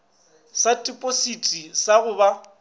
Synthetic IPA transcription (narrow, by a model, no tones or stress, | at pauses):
satʼipʼositʼisaɣʊːba